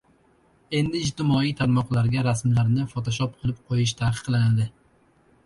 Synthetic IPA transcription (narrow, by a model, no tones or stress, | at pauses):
e̞nd̪ɪːd͡ʒt̪ɪmɒijt̪ʰaɾmɒqlˠaɾɡʲaɾasmlaɾnɪfɒt̪ʰɒʃɒp̚qʰɨlˠɪp̚qʰojɪʃt̪ʰaqɨ̥qʰːɨlˠɪnad̪ɪ